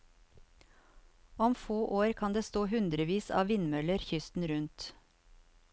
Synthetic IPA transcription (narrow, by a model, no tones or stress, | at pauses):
ɔmfoːʔoːɾkʰɑnd̪eːst̪oːhʉnd̪ɾəʋiːsɑ̰ːʋɪnmœləɾçʏst̪n̩ɾʉnt̪